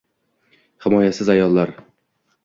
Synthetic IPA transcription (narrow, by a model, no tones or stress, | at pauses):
hɪmɒjasɪzajɒlˠːaɾ